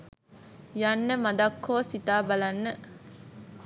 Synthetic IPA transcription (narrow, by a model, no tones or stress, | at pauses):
janːəmad̪akʰːoːsit̪aːbalanːə